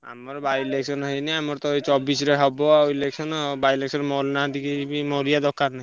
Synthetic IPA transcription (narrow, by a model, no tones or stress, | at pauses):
a̰mɔɾbaileksɔnɦɔjniamɔɾt̪ɔjt͡ʃɔbisɾeɦɔbɔaoileksɔnɔbajleksɔnmɔlnad̪ikibimɔɾijad̪ɔkːaɾnai